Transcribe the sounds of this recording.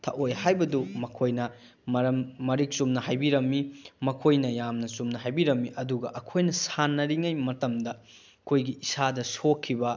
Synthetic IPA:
tʰɐ̰ʔojhajbɐdumɐkʰojnɐ | ɐɾɐmːɐɾik̚sumnɐhajbiɾɐmːimɐkʰojnɐjamnɐsumnɐɦajbiɾɐmːiʔɐduɡɐʔɐkʰojnɐsanːɐɾiŋɐjmɐtɐmdɐ | kʰojɡiisadɐsokʰːibɐ

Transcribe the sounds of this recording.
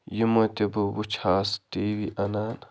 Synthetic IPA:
jimɐt̪ebuwut͡ʃʰaːst̪eːwiʔɐnaːn

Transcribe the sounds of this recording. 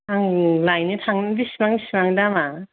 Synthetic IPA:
aŋlajnitʰaŋnbisimaŋisimaŋdama

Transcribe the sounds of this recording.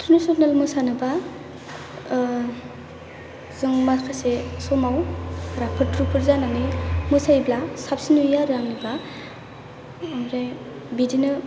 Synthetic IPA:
tʰɾunisɔnalmɯsanɯba | zɯŋmakʰasesɔmawɾapʰɯɾtɾupʰɯɾzananɯmɯsajblasapsinujaɾaŋniba | mɾaj | bidinɯ

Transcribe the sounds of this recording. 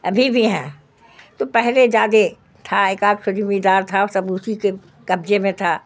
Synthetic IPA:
ɐ̰bʱibʱiɦɛ̃ː | t̪opɛɦled͡ʒaːd̪e | t̪ʰaeːkaːɡsʊd͡ʒmid̪aːɾt̪ʰaɔɾsɐbʊsike | kɐbd͡ʒemẽt̪ʰa

